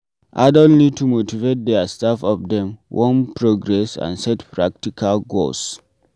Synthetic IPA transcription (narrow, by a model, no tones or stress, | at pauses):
ʔa̰dɔ̃nnid̚tʰumotivet̚dɛastafɔfdɛ̃mwʔɔ̃npɹoɡɹɛsã̰nsɛtpɹak̚tikʰalɡo̰ls